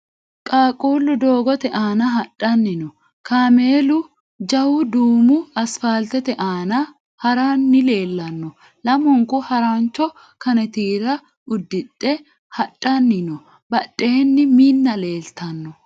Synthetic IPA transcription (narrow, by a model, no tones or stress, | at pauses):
kʼaːkʼuːlːʊd̪o̞ːɡɔt̪ɛʔaːnɐɦɐᶑʼːɐnːɪnɔ | kaːme̞ːlʊ | d͡ʒɐwʊd̪uːmʊɐsfaːlt̪ɛt̪ɛʔaːnɐ | hɐɾaːnːɪle̞ːlːɐnːɔ | lɐmʊŋkʊhɐɾaːnt͡ʃːɔ | kɐnɛt̪iːɾɐ | ʊd̪ːɪt̪ʼːɛ | hɐᶑʼːɐnːɪnɔ | bɐɗʼːe̞ːnːɪmiːnːɐle̞ːlt̪ɐnːɔ